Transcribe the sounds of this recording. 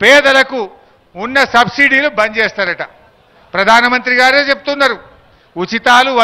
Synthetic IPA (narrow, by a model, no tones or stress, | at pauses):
pɛːd̪ɐlɐku | unːɐsɐbsiɖiːlubɐɲd͡ʒeːst̪aːɾɐʈɐ | pɾɐd̪ʱaːnɐmɐnt̪ɾiɡaːɾeːt͡ʃepu̥t̪unːɐɾu | ut͡ʃit̪aːluʋɐ